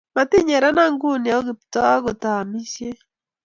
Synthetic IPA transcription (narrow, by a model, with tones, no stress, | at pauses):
ma˨ti˦ɲɛ˨ɾa˦na˦ŋɡu˦nja˨o˦ɡi˨ptɔ˦a˦ɡo˨ta˨a˨mi˦sje˦